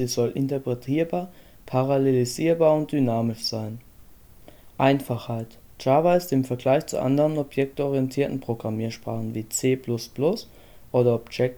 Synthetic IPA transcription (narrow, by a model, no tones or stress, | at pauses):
ziːzɔlʔɪntɐpʁ̥ɛtʰiːɐbaːɐ | pʰaʁaleliziːɐbaːɐʊnt̚d̥ynaːmɪʃz̥aɪn | ʔaɪnfaχhaɪt | t͡ʃaːvaɪsdɪmfɛɐɡlaɪçt͡sṵʔa̰ndəʁənɔpjɛk̚tɔʁiɛntʰiːɐtn̩pʁ̥oɡʁamiːɐʃpʁ̥a̰ːχn̩viːt͡seːpʰlʊsplʊs | ʔoːɾɐɔpjɛk̚